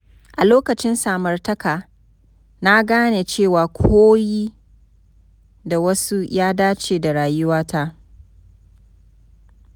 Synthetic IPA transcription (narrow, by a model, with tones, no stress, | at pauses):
ʔa˨loː˦kɐ˨t͡ʃɪ˦nsaː˨mɐ˨rtɐ˦kaː˨ | na˦ɡaː˦neː˨t͡ʃeː˦˨waː˨kʷʰoː˦jiː˦ | da˨wɐ˦su˦jaː˦daː˦t͡ʃeː˨da˨ɽaː˨jʊ˦waː˦tʰa˦ʔ